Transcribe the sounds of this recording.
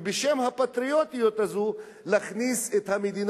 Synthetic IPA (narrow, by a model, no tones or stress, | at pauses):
beʃemhapat̪ɾijot̪ijot̪azu | laχniset̪hamed̪in